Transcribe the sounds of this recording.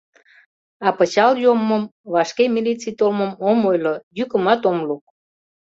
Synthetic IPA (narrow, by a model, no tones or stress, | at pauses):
ɑpə̆t͡ɕɑljoməmβɑʃkemʲilit͡sijt̪olməmomojlojykəmɑt̪omluk̚